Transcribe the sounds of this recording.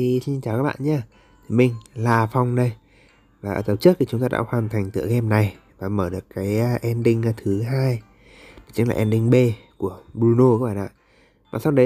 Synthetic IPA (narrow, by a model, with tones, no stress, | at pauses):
i˨˩si˧nt͡ɕaː˧˨˩wkaː˦˥ɓ̰ːnɲa˧ | t̪ʰi˨˩mï˨˩ŋ̟laː˨˩fa˧wŋ͡mɗə˧j | vaː˨˩ʔəː˧˩t̪ə˨˩p̚t͡ɕk̚tʰi˨˩ʊ˨˦ŋ͡mt̪aː˧a̰ː˧˥hwaː˨˩nt̪ʰa˨˩jŋ̟t̪ɨ̰˧˨kːɛ˧mna˨˩j | vaː˨˩məː˧˩ɗɨ˨˩əkkːaː˨˦jʔɛ˧nɗï˧ŋ̟˧t̪ʰɨ˨˦ɦaː˧j | t͡ɕi˨˦ŋla̰ː˨˩ʔɛ˧nɗï˧ŋ̟ɓe˧ku˧˩əɓɾu˧no˧kːɓaː˧˨ʔa̰ː˧˨ | vaː˨˩sa˧ŋ͡mɗə˨˦